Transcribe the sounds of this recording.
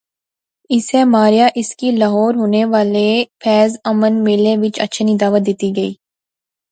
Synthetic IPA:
ɪsemaːɾijaʔɪskilaɦɔːɾɦoːneʋaːlepʰɛːzɐmənmɪːleʋɪt͡ʃɐ̰tːʃʰnĩd̪aːʋət̪̚d̪eːt̪iɡɐiː

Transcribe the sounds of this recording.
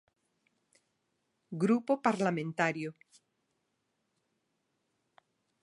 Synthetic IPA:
ɡɾupopaɾlamẽnt̪aɾjo

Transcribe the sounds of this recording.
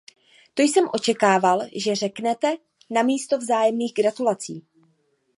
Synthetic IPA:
t̪ojsɛmʔo̞t͡ʃɛkaːvalʒɛrɛknɛt̪ɛ | namiːst̪o̞vzaːjɛmniːɣɡɾat̪ulat͡sḭː

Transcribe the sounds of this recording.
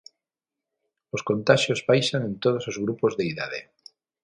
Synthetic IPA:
loskont̪aʃjozβajʃanẽnt̪oð̞osozɣɾupozðeiðað̞ḛ

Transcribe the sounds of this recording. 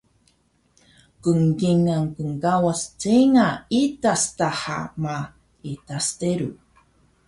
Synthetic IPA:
kəŋɡiŋaŋkəŋkawast͡seŋaitastaħa̰ma | itasteɾu

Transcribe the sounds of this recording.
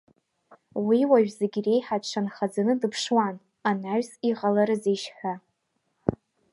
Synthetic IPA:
wiwaʒᶣzeɡʲre̞jħaʈ͡ʂʷʰanχad͡zanɨdɨpʰʂwan | anaɥsiʁalaɾɨzejʃħʷᶣa

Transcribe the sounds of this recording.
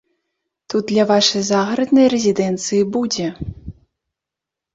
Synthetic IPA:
t̪ud̪̚d̪lʲɐvaʂɐjzaɣɾɐd̪nɐjrɛzʲid̪ɛnt̪sɨjibud͡zʲɛ

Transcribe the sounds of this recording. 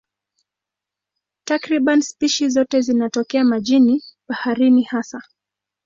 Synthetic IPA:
takɾiɓanspiʃizɔtɛzinatɔkɛamaʄiniɓahaɾinihasa

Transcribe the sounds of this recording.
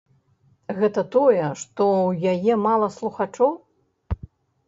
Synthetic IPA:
ɣɛt̪ɐt̪ɔjɛʂt̪ɔwjajɛmalˠɐslˠuxat͡ʂɔw

